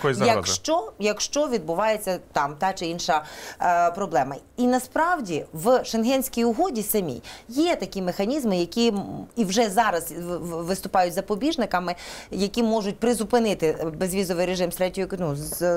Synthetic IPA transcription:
kɔjzjɐʃt͡ʃɔjɐkʃt͡ʃɔʋʲid̪̚bʊʋɑjet͡sʲːɐt̪ɑmt̪ɑt͡ʃɪinʃɐ | pɾɔblˠɛmɐ̰inɐspɾɑwdʲiʋʃenɦɛnʲsʲkʲijʊɦɔdʲisɐmʲḭjjɛt̪ɐkʲimexɐnʲizmɪjɐkʲiiwʒɛzɑɾɐzʋɪst̪ʊpɑjʊt̚ʲzɐpɔbʲiʒnɪkɐmɪjɐkʲimɔʒʊt̚ʲpɾɪzʊpɪnɪt̪ɪbezʲʋʲizɔʋɪjɾeʒɪmst̪ɾɛtʲɔjʊnuz

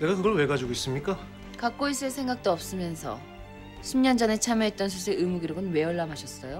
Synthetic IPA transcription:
ne̞ɡakɯɡʌɭwe̞ɡad͡ʑiɡois͈ɯmɲik͈a | kak͈̚ois͈ɯɭsʰe̞ŋɡak̚t͈oʌp̚s͈ɯmjʌnsʰʌ̰ | ɕʰimɲʌnd͡ʑanet͡ɕʰamjeet̚t͈ʌnsʰuɭs̬͈ʰeɯmuɡiɾoɡɯnwe̞ʌɭːamɦaɕʰʌs͈ʌjo

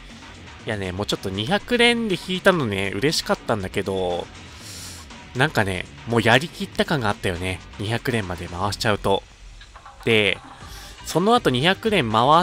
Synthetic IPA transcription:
jane̞̰mo̞ːt͡ɕo̞t̪ːo̞ɲ̟içakɯ̟ɾẽ̞nd̪e̞çiːt̪ano̞ne̞ɯ̟ɾe̞ɕi̥kat̪ːãnd̪ake̞d̪o̞ | nãŋkane̞̰ | mo̞ːjaɾʲikʲit̪ːakãŋɡaːt̪ːajo̞ne̞ | ɲ̟içakɯ̟ɾẽ̞mːad̪e̞maβaɕi̥t͡ɕaɯ̟t̪o̞ | d̪̥e̞ | sono̞at̪oɲ̟içakɯ̟ɾẽ̞mːaβa

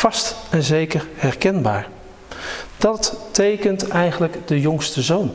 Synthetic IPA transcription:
vɑstɛnzejkəɹhɛɹkɛnba̰ːɹ | d̥ɑtːejkəntɛjχənləɡdəjɔŋstəzown

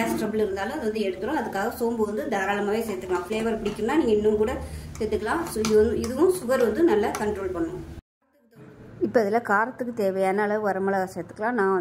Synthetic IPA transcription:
aːsʈɾɐpːɪlɪɾɯnd̪aːlʊ̃ɐðɯʋɐnd̪ɯɛɽɯtːɯɾʊ̃ːɐðɯkːaːɣɐsoːmbɯʋɐnd̪ɯd̪aːɾaːlɐmaːʋeːseːt̪ːɯkːɐɭãːfɭeːʋɐɾpɪɽɪkʲːɯmnaːniːŋɡɐɪnːɯmkuːɽɐseːɾt̪ːɯkːɐlãːɪɐɯɪðɯʋʊ̃sʊɣɐɾʋɐnd̪ɯnɐlːɐkɐɳʈɾoːlpɐɳːɯ̃ | ɪpːoɐðɪlɐkaːɾɐt̪ːɯkːɯt̪eːʋɐjaːnaːɭɐʋɯʋɐɾɐmɐɭɐɣɐseːt̪ːɯ̥kːɐɭãːnãːɐ

